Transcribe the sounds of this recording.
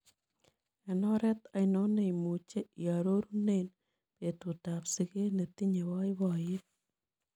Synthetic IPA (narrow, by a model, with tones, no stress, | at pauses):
ɛ˨nɔ˦ɾɛ˦t̪a˨ɪno˦ne˦i˨mu˨t͡ʃe˦i˨a˨ɾo˦ɾu˦ne˦n | pe˨tu˨ta˨psɪ˦ke˦ne˨t̪i˦ɲe˨wɔ˦ɪ˦bɔ˨jɪ˦t̚